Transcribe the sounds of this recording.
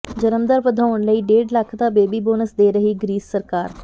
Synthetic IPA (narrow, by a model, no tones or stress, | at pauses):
d͡ʒəɾəmd̪əɾʋəd̪ʱaːʊɳləiːɖeːɖləkʰd̪aːbeːbiːboːnəsd̪eːɾəɦiːɡɾiːsːəɾkaːɾ